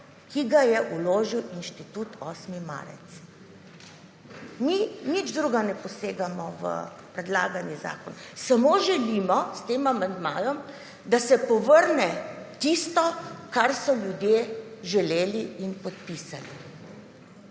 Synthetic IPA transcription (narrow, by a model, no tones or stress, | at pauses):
kiɡajɛʔuloːʒiwinʃt̪it̪ut̪ɔːsmima̰ɾɛ̰t̪s | minid͡ʒd̪ɾuɡanɛpɔseːɡamɔʋə̰ | pɾɛd̪la̰ːɡaniza̰ːkɔnsamoʒɛlimɔst̪eːmamand̪maːjɔm | d̪asɛpɔʋəɾnɛt̪ist̪ɔkaɾsɔljud̪jeʒɛleːliːnpɔt̪̚pisalḭ